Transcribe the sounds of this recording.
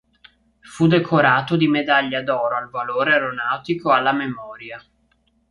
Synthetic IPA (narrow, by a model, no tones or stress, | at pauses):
fud̪ekʰoɾaːt̪od̪imed̪aʎːad̪ɔːɾoalvaloːɾeɾonawt̪ikoalːamemɔːɾja